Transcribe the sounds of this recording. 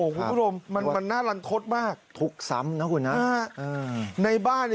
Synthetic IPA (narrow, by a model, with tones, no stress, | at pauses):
oː˧˩kʰu˧˦˥o˧mːa˧nma˧nːaː˥˩la˧nt̪ʰo˦˥t̪̚maː˥˩k̚t̪ʰu˦˥˩k̚sa̰˧˦˥mna˦˥kʰu˧nːa˦a˧˥˩ʔɤː˧na˧jbaː˥˩nː